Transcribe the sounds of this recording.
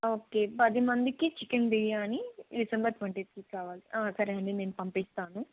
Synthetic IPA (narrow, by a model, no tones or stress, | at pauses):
oːke̞ːpɐd̪imɐnd̪ikit͡ʃikɐnbiɭiaːniɖisɐmbɐɾt̪ʋɐɳʈit̪kikaːʋaːliʔaːsɐɾiɐɳɖine̞ːnupɐmpist̪aːnu